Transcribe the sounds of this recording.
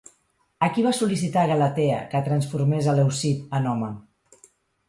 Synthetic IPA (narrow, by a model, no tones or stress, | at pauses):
əkiβasulisit̪aɣələt̪ɛə̰kət̪ɾənsfuɾmezəlewsit̪ənɔmə